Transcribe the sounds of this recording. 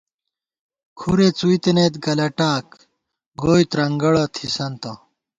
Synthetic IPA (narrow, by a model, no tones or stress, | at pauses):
kʰuɾet͡suit̪enet̪ɡɐlɐʈaːk | ɡoːjt̪ɾɐŋɡɐɭɐt̪ʰisɐnt̪ɐ